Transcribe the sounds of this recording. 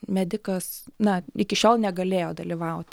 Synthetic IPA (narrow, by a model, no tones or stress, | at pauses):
mʲæd̪ʲɪkɐsnɐɪkʲɪʃʲoːlˠnʲɛɡɐlʲeːjoːd̪ɐlʲɪʋɐʊt̪ʲ